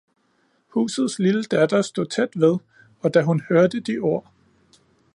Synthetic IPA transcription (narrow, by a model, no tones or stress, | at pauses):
hṵːsð̞̩ˠsliləd̥æd̥ɐsd̥o̝t͡sʰed̥ʋe̝ðˠ | ɒ̽d̥æɦunhøɐd̥əd̥iʔo̝ɐ̰